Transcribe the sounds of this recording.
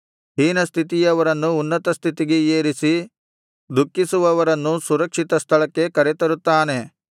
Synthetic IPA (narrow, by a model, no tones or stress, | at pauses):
ɦiːnɐst̪ʰit̪̬ijɐʋɐɾɐnːuːnːɐt̪ɐst̪ʰit̪iɡeeːɾisi | d̪ukːisuʋɐʋɐɾɐnːusuɾɐkʂit̪ɐst̪ʰɐɭɐkːe̞kɐɾet̪ɐɾut̪ːaːne̞